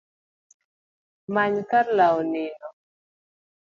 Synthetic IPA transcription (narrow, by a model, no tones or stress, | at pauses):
maɲkaɾlaɔnɪnɔ